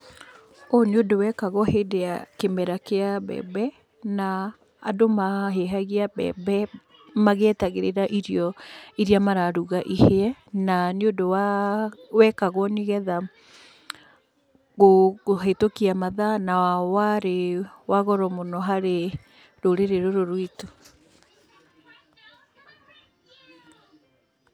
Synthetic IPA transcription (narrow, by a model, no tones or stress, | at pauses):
oniodowɛkaɣɔhedea̰kemɛɾakeaβɛ̰bɛ | na̰ː | domaɦeɦaɣiabɛ̰bɛ | maɣetaɣeɾeɾaʔiɾjɔiɾiamaɾaɾuɣaʔiheɛnaniodowa | wɛkaɣwɔniɣɛða | ɣoɦetokiamaðanaawaɾewaɣɔɾɔmonɔɦaɾe | ɾoɾeɾeɾoɾoɾwito̥